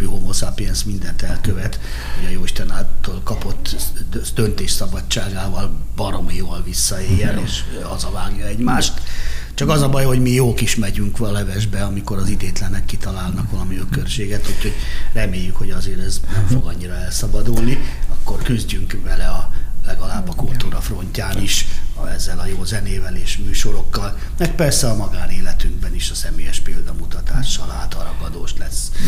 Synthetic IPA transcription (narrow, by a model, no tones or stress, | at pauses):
yomosapiɛnsmind̪ɛnt̪ɛlkøvɛt̪ | hoɟɒjoːiʃt̪ɛnaːlt̪oːlkɒpot̪ːd̪ønt̪eːʃsɒbɒːaːɡaːvɒlb̥ɒɾomivɒlvisːɒeːjːɛneːʃ | ɒzɒvaːɡjɒɛɟmaːʃt̪ | t͡ʃɒkɒzɒbɒjho̞ɟmijoːkiʃmɛɟyŋkʋlɛvɛʒbɛɒmiko̞ɾɒzid̪eːt̪lɛnɛkːit̪ɒlaːlnɒkʋɒlɒmiøkørʃeːɡɛt̪ucho̞ɟrɛmeːjːykho̞ɟɒzeːɾɛznɛmfo̞ɡɒɲːiɾɒɛlsɒbɒd̪ulniɒkːo̞rkyzɟyŋkvɛlɛɒlɛɡɒlaːbːɒkult̪uːɾɒfro̞ɲcaːniʃɛzːɛlɒjoːzɛneːvɛleːʃmyːʃo̞ɾo̞kːɒl | mɛk̚pɛrsɛɒmɒɡaːneːlɛt̪yŋɡ̚bɛniʃɒsɛmeːjɛʃpeːld̪ɒmut̪ɒt̪aːʃːɒla̰ːt̪ɒɾɒɡɒd̪oːʃlɛsː